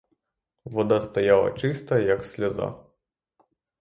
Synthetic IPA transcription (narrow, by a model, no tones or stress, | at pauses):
ʋɔd̪ast̪ɐjalˠɐ̰t͡ʃɪst̪ɐjɐksʲlʲɐza̰